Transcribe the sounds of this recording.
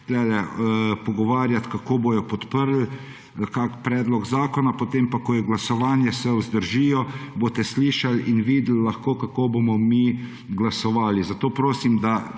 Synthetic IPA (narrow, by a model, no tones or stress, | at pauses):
lɛlɛpɔɡɔʋaːɾjat̪kakoːboːjɔpɔt̪pəɾl | kakpɾɛːd̪lɔɡzaːkɔnapot̪empakɔjɛɡlasɔʋaːnjɛsɛuzd̪əɾʒiːjɔboːt̪ɛsliːʃalinʋiːd̪lːaxkoːkakoːbomɔmiː | ɡlasɔʋaːlizat̪oːpɾoːsimd̪a